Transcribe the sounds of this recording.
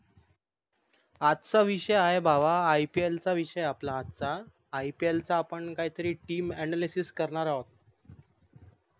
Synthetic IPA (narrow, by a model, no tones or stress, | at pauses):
at̪t͡saʋiɕəjaɦebʱaʋaːjpielt͡saʋiɕəjaplaːt̪t͡saː | ipielt͡saːpəɳkaɦiːt̪əɾiːʈiːmɛnalisiskəɾɳaɾaɦot̪̚